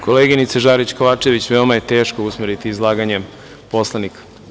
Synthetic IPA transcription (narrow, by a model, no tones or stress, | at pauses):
kʰo̞leːɡinit̪seʒaːɾit͡ɕko̞ʋaːt͡ʃeʋit͡ɕʋeomajet̪e̞ːʃkousmeɾit̪iːzlˠaːɡaɲe | po̞slˠanik